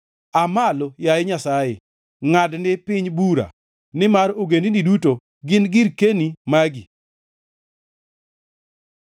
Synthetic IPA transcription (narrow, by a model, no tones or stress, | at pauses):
amalojajɪɲasajḛ | ŋadnɪpɪɲbuɾa̰ | nɪmaɾoɡendiniduto | ɡɪnɡɪɾkenimaɡi